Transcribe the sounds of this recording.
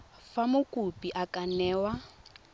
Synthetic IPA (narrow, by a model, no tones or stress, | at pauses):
famʊkʼupiʔakʼanɛːwa